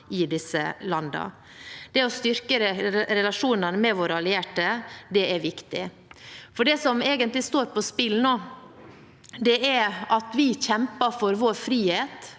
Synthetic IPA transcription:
ɪd̪ɪsə̰lɑnd̪ɑ̰ | d̪̥ɛɔst̪ʏɾkəɾɾɛlɑʂuːnənmɛʋoːɾəɑlɪeːʈəd̪ɛæɾʋɪkt̪ɪ | fɔɖɛsɔmeːɡənt̪lɪst̪oːɾpɔspɪlnoː | d̪ɛʔæɾɑt̪ʋɪçɛmpəfɔɾʋoːɾfɾiːheːt̪

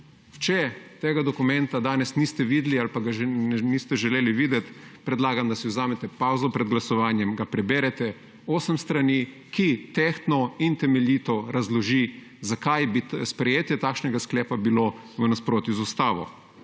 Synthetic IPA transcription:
t͡ʃɛt̪eːɡad̪ɔkumɛnt̪ad̪aːnɛsnist̪ɛʋid̪lialpaɡanniːst̪ɛʒɛleːliʋiːd̪ɛt̪pɾɛd̪laːɡamd̪asiwzaːmɛt̪ɛpawzɔpɾɛd̪ɡlasɔʋaːnjɛmɡapɾɛbɛːɾɛt̪ɛ | oːsəmst̪ɾani | kit̪ext̪nɔint̪ɛmɛlʲjiːt̪ɔɾazlɔʒi | zakajbispɾɛjeːt̪jɛt̪aːkʃnɛɡasklɛːpabilo | ʋənaspɾoːt̪juzust̪aːʋɔ̰

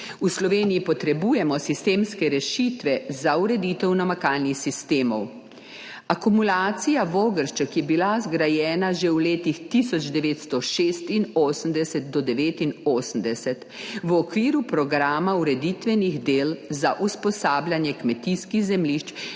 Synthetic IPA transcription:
uslɔʋeːnijipɔt̪ɾɛbuːjɛmɔsist̪eːmskɛɾɛʃiːt̪ʋɛzauɾɛd̪iːt̪ɛwnamakaːlnixsist̪eːmɔw | akumulaːt̪sijaʋoːɡəɾʃt͡ʃəkjɛbilazɡɾajɛːnaʒɛwleːt̪ixt̪isɔd͡ʒd̪ɛʋeːt̪st̪ɔʃeːst̪inoːsəm̩d̪ɛsɛt̪̚d̪ɔd̪ɛʋeːt̪inoːsəm̩d̪ɛsɛt̪ | ʋɔkʋiːɾupɾɔɡɾaːmauɾɛd̪it̪ʋɛniɣd̪eːlzaʔuspɔsaːbljanjɛkmɛt̪iskiɣzɛmliːʃt͡ʃ

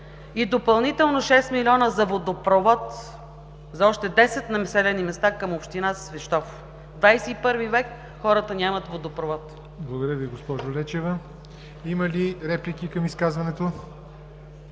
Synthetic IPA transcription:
id̪opɐlˠnit̪ɛlˠnoʃɛst̪milʲiɔnəzɐvod̪opɾovɔt̪ | zɐɔʃt̪ɛd̪ɛsɛt̪nɐmɛsɛlɛnimɛst̪akəmopʃt̪inassvɛʃt̪ɔf | d̪vajsɛipɤɾvivɛk | xɔɾət̪ənʲamɐt̪vod̪opɾovɔt̪ | blˠɐɡod̪ɾjəviɡospɔʒolɛt͡ʃɛvɐ | imɐliɾɛplikʲikɐmiskazvɐnɛt̪o

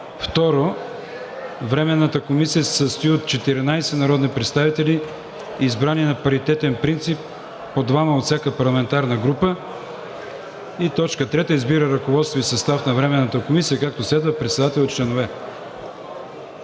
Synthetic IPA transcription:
ft̪ɔɾo | vɾɛmɛnːət̪əkomisijəsɛ̥sɐst̪oiot̪̚t͡ʃɛt̪iɾinajsɛnɐɾɔd̪nipɾɛt̪st̪avit̪ɛli | izbɾaniɛnɐpɐɾit̪ɛt̪ɛnpɾint̪sipː | od̪vaməot̪sjakəpɐɾlˠɐmɛnt̪aɾnəɡɾupə | it̪ɔt͡ʃkət̪ɾɛt̪əizbiɾəɾɐkovɔt̪st̪voisɐst̪afnɐvɾɛmɛnːət̪əkomisijəkak̚t̪oslɛd̪vəpɾɛt̪sɛd̪at̪ɛlˠot͡ʃlɛnovɛ

